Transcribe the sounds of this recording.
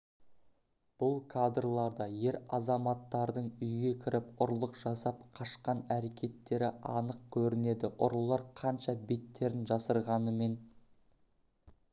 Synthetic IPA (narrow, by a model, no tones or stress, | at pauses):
b̥ʊlˠkʰad̪rlˠɑɾd̪ɑje̞ɾɑzɑmɑt̪ːɑɾd̪əɴʏjɡʲe̞kʲʰɪɾɪpʊɾlˠəqʒ̥ɑsɑp̚qʰɑʃqɑnæɾe̞kʲʰe̞t̪ːe̞ɾɪʔɑnəq̚kʲʰɵɾɪne̞d̪ɪʔʊɾlˠɑɾqʰɑnʃɑbe̞t̪ːe̞ɾɪnʒɑsəɾʁɑnəme̞n